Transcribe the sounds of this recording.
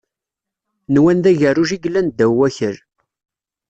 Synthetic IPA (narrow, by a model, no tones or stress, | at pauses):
nwænðæʝəruʒiɡlːænd̪æwːæçəɾ